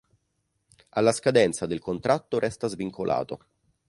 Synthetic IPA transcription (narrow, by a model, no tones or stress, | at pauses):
alːaskad̪ɛnt̪sad̪elkont̪ɾʔat̪ːoɾʔɛst̪azviŋkʰolʔa̰ːt̪o